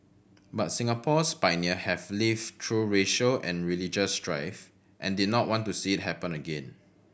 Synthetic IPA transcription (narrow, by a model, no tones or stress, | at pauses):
bat̚sĩŋəpʰɔspaɪniəhɛvlivtʰɹuɹeʃəlɛ̰̃nɹilid͡ʒəstɹa̰ɪf | ʔɛ̰̃ndid̚ⁿnɔt̚wɔ̃ntusiɪt̚hɛpə̃nəɡẽn